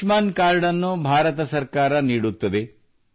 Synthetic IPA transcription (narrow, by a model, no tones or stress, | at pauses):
maːnkaːɾɖɐnːubʱaːɾɐt̪ɐsɐɾkaːɾɐniːɽut̪ːɐd̪e